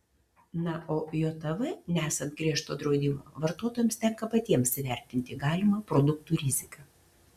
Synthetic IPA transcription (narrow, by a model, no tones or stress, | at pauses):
nɐoːjoːt̪ɐʋɨnʲɛæːsɐnt̪̚ɡɾʲiɛʃt̪oːd̪ɾɒʊd̪ʲɪmo̰ːʋɐɾt̪oːt̪oːjɛmst̪ʲɛŋkɐpɐt̪ʲiɛmsʋʲɛɾʲt̪ʲɪnʲt̪ʲɪɡɑːlʲɪmɐpɾod̪ʊk̚t̪uːɾʲɪzʲɪkɐ